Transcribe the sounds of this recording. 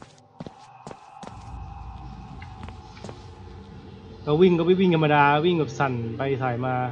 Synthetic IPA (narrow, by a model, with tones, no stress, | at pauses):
ka˧˩wi˥˩ŋka˥˩pa˧˩jwi˥˩ŋtʰa˧ma˧daː˧wi˥˩ŋka˨˩p̚sa˨˩npa˧jsaː˨˩˦jmaː˧